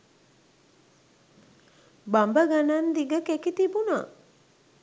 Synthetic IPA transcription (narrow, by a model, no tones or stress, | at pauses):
bambəɡanand̪iɡəkekit̪ibuna̰